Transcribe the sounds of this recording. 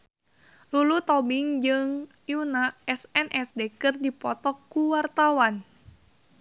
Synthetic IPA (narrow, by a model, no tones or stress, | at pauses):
lulut̪ɔbiŋd͡ʒɨŋ | junaɛsɛnʔɛsdekɨrdipɔt̪ɔkːuwart̪awan